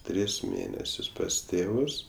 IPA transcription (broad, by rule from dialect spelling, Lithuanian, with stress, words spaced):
ˈtʲrʲɪs ˈmʲeːnʲɛsʲʊs pɐs ˈtʲeːʋʊs